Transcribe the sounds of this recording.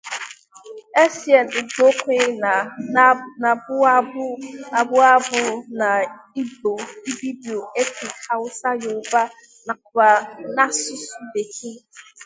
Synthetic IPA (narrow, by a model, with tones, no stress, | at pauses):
e˦si˨ɛ˨nɪ˨do˦kʷe˦na˨ | na˨bʊ˦ | a˨bʊ˦a˦bʊ˨na˨ | i˦bo˨i˦bi˦bi˨o˨e˦tʰi˨kha˦ʊ˦sa˦jʊ˨ba˦ | na˨kʷa˨na˦sʊ˦su˦de˨kʰi˦